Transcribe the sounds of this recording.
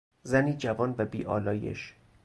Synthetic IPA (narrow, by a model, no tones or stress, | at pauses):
zæniːd͡ʒævɒːnvæbiːʔɒ̰ːlɒːjḛʃ